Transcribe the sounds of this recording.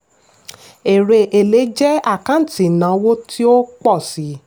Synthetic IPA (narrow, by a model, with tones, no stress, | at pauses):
e˨ɾe˧ʔe˨le˨˦d͡ʒɛ˦a˦˨kã˨˦n̩˨ti˨nã˨˦wo˦tʰi˦o˦k͡pɔ˦˨si˨˦